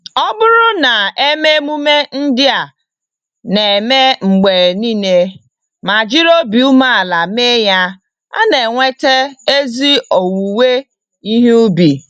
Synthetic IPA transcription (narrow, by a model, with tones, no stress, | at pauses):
ɔ˦bʊ˦ɾʊ˦na˨e˦me˦mu˦me˦n̩˦dɪ˦a˨ | ne˨me˦ŋ͡m̩˨ɡ͡be˨niː˦ne˦ | ma˨d͡ʒi˦ɾo˦bi˨u˦ma˦a˨la˨me˦ja˦ | a̰˦ne˨ŋʷe˦te˦e˦zi˦o˨wu˨we˦ | i˦ɦu˦bi˨